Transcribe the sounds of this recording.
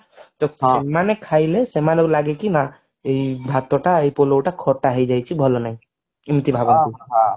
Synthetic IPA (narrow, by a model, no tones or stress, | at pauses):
t̪ɔsemanekʰajlesemanɔɡlaɡekina | ejbʱat̪ɔʈaejpolowʈakʰɔʈaɦejd͡ʒajt͡ʃʰibʱɔlɔnaj̃ | imt̪ibʱabɔni